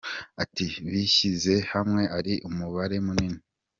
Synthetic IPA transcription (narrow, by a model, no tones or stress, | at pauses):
atiβiçize̞hamŋe̞ʔaɾiʔumuβaɾe̞munini